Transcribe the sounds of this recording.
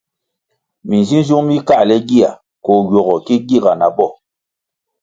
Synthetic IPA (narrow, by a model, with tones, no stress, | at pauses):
mi˨n˨zi˦n˦zu˦ŋmi˦ka˦˨lɛ˦ɡi˦˨a˨ | kɔ˨ɡɔ˨ɣɔ˨ki˦ɡi˦˨ɡa˨na˨bɔ˦˨